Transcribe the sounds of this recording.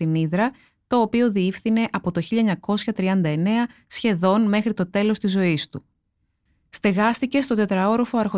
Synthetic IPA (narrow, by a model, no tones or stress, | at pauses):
iniðɾɐ | t̪o̞ːpio̞ðiifθine̞ʔɐpo̞t̪o̞çiʎɐeɲɐko̞sçɐt̪ɾiɐnd̪ɐe̞ne̞ɐsçe̞ðo̞nme̞xɾit̪o̞t̪e̞lo̞st̪izo̞ist̪u | st̪e̞ɣɐst̪ice̞st̪o̞t̪e̞t̪ɾɐo̞ɾofo̞ɐɾxo